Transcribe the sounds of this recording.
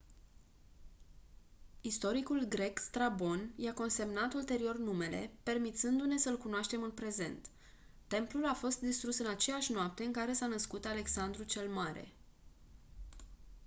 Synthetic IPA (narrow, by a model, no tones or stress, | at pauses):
ist̪o̞ɾikulɡɾe̞kst̪ɾabo̞njako̞nse̞mnat̪ult̪e̞ɾio̞rnume̞le̞̰pe̞rmit̪sɨnd̪une̞səɨlkunoaʃt̪e̞mɨnpɾe̞ze̞̰nt̪ː | e̞mplulafo̞st̪̚d̪ist̪ɾusɨnat͡ʃe̞jaʃʲnoap̚t̪e̞ɨŋkaɾe̞sanəskut̪ale̞ksand̪ɾut͡ʃe̞lmaɾe̞̰